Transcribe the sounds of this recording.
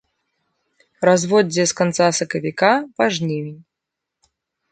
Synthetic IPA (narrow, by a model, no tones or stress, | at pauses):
razvɔd͡zʲːɛskant̪sasɐkɐvʲikavaʐnʲemʲinʲ